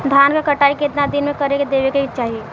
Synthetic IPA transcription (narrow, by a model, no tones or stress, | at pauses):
d̪ʱankakəʈaːikeɪt̪nad̪inmẽkəɾeked̪eːbekeit͡ʃaːɦie